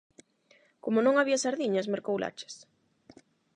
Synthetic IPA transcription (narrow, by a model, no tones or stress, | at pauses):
komonõŋaβiasaɾðiɲasmeɾkowlʔa̰t͡ʃɪ̥s